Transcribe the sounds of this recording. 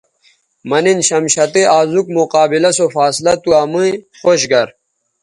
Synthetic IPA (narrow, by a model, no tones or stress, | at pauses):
mɐninɕɐmɕɐt̪iʔaːzuk̚muqaːbilɐsofaːslɐt̪uamɨ̃ | xoɕɡɐɾ